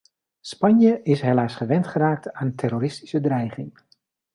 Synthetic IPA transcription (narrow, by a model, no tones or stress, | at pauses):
spɑnjəʔɪsɦelaːsχəʋɛntχəraːk̚taːntʰɛɾoːɾɪsti̥sədrɛjχɪŋ